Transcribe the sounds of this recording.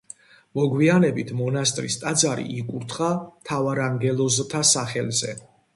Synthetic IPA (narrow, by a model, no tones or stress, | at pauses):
mɔɡwianɛbit̪ʰmɔnast̪ʼɾist̪ʼad̪zaɾḭikʼuɾt̪ʰχat̪ʰavaɾaŋɡɛlˠɔzt̪ʰasaχɛlzɛ̰